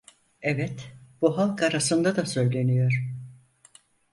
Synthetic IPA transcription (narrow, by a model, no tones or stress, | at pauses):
ɛvɛt̪b̥uɦalˠkaɾasɯnd̪ad̪asø̞jlʲe̞nijo̞ɾ